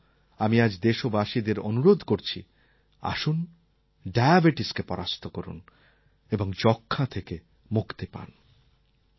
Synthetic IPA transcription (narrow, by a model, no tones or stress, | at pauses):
amiad͡ʑd̪eʃobaʃid̪eɾonuɾod̪ʱkoɾt͡ɕʰi | a̰ʃun | ɖajabeʈiskepɔɾʔast̪ʰokɔɾṵn | eboŋd͡ʑɔkʰːat̪ʰeke | mukʰt̪epa̰n